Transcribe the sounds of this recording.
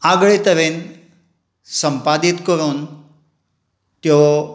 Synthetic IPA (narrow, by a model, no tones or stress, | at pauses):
aɡɭet̪əɾẽn | səmpad̪it̪kəɾuːn | t̪jɔ